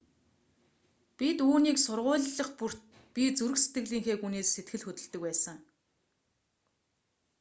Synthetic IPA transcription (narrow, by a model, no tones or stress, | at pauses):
pʲit̪uːniːksʊrʁʊːɮːə̆χpur̥t̪̚ | pʲit͡suɾɘ̆kse̥t̪ɡɘ̆ɣɮiːŋxeːxuneːsːet̪ɡɘ̆ɮxɵt̪ɵ̆ɮt̪ɵ̆kpæːsə̆ŋ